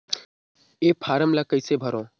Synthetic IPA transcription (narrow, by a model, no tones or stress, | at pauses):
eːpʰaːɾəmlaːkəɪseːbʱəɾõː